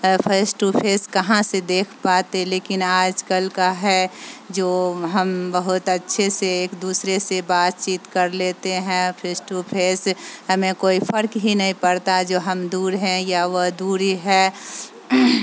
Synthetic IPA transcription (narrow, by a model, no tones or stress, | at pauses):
pʰeːsʈupʰeːskəɦãsed̪eːkʰpaːt̪eleːkɪnaːd͡ʒkəlkaɦɛd͡ʒoːɦəmbəɦʊt̪ətːʃʰeseeːkd̪uːsɾesebaːt̪t͡ʃiːt̪kəɾleːt̪eɦɛ̃pʰeːsʈupʰeːsɦəmẽkoːipʰəɾkɦinɐɦĩpəɾt̪ad͡ʒoːɦəmd̪uːɾɦɛ̃jaʋəd̪uːɾiɦɛː